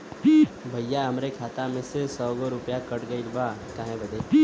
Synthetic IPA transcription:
bʱəjjaəmɾekʰaːt̪amẽsesɔɡoɾʊpjakəʈɡəilbakãːɦẽbəd̪ʱe

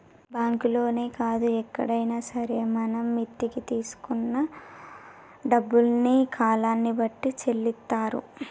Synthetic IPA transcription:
baːŋkulo̞ːne̞ːkaːd̪uɛkːɐɽɐjnaːsɐɾemɐnɐmːit̪ːikit̪iːsu̥kunːɐ | ɖɐbːulnikʰaːlaːnːibɐʈːit͡ʃe̞lːit̪ːaːɾṵ

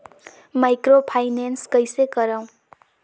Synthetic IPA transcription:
majkropʰajnenskʌjsekʌɾaw̃

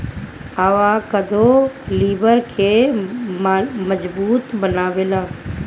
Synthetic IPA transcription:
aːʋaːkəd̪ʱoliːbəɾkʰeː | məd͡ʒbuːt̪bənaːʋeːlãː

